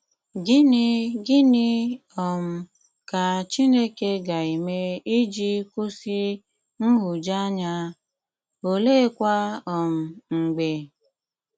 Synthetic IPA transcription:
ɡɪ˦n˦ɡɪ˦nɪ˦ɔ˨m̩˨ | ka˨t͡ʃi˦ne˦ke˦ɡa˨i˨me˦i˦d͡ʒi˦ku˦si˦ | n̩˦ɦu˨d͡ʒa˦ɲa˦ | o˨le˦kʷa˦ɔ˨m̩˨ŋ͡m̩˨ɡ͡be˨

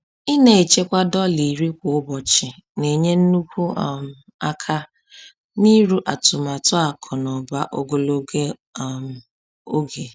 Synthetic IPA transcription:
ɪ˦ne˨e˨t͡ʃe˦kʷa˦dɔ˦li˨ɾi˦kʷʊ˨ʊ˦bɔ˨t͡ʃɪ˨ | ne˨ɲe˦n̩˦nu˦kʷu˦˨m˨ | a˦kʰa˦ | ni˦ɾu˦ʔa˨tʊ˨ma˨tʊ˦a˨kʰɔ˨nɔ˨ba˦ʔo˦ɡo˨lo˦ɡe˦˨m˨ | o˦ɡe˨

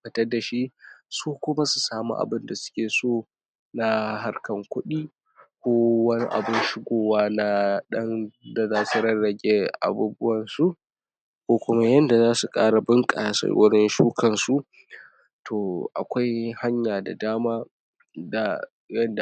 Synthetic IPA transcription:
kɐ˨tɐ˦rda˨ʃi˦suː˦kʷʊ˦ma˦su˨saː˦mṵ˦ʔa̰˨bɪ˦nda˨sʊ̥˦kʲeː˨soː˦˨ | na˦ɦa˦rkɐ˨ŋkʷʊ˦ɗiː˦ | kʷoː˦wɐ˦nḭ˦ʔa̰˨bɪ˦nʃɪ˦ɡʷoː˨waː˦na˦ɗɐ˦nda˨zaː˦su˨ɽɐ˦ɽɐ˨ɡʲeː˦ʔa̰˨buː˦bʊ˦wɐ˨nsu˦ʔ | kʷoː˦kʷʊ˦ma˦jɐ˦nda˨zaː˦su˨kʼa̰ː˦ɽa˨bɪ˦ŋkʼa˨sɐ̰˦wʊ˦ɽɪ˦nʃuː˦kɐ˨nsu˦ʔ | tʰoː˨ʔa̰˨kʷa˦jha˦ɲjaː˨da̰˨daː˦maː˦ | da˨ | jɐ˦nda˨

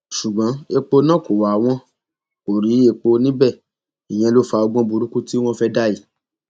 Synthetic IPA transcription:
ʃu˨ɡ͡bã˨˦e˧k͡po˧nã˦˨ko˨wa˨w̃ɔ̃˦ | ko˨ɾi˨˦e˧k͡po˧nĩ˦bɛ˦˨ | i˨j̃ɛ̃˧lo˦fa˧ɔ˧ɡ͡bɔ̃˦bu˧ɾu˦ku˦ti˦w̃ɔ̃˦fɛ˦da˦i˨

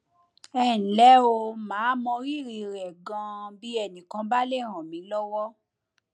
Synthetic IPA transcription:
ɛ˦˨n̩˨lɛ˦o˧mãː˨˦mɔ̃˧ɾi˦˨ɾi˧˨ɾɛ˨ɡã˧bi˦ɛ˦˨nĩ˨kã˧ba˦le˦˨ɾ̃ã˨mĩ˨˦lɔ˦wɔ˦

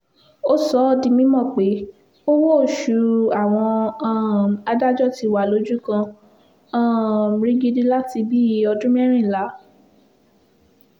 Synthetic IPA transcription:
o˦sɔ˨˦di˧mĩ˦mɔ̃˦˨k͡pe˨˦ | o˦wo˦˨ʃu˨˦a˦˨w̃ɔ̃˧ã˦˨a˧da˦d͡ʒɔ˦˨ti˧wa˨lo˨˦d͡ʒu˦kã˧ | ã˦˨ɾĩ˦ɡi˧di˦la˦ti˧bi˦˧ɔ˧dũ˦m˦ɛ˦ɾ̃ĩ˦˨la˨˦

